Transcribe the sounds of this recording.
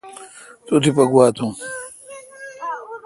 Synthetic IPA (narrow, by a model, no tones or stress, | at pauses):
t̪ut̪ʰipɐɡwaːt̪ʰũː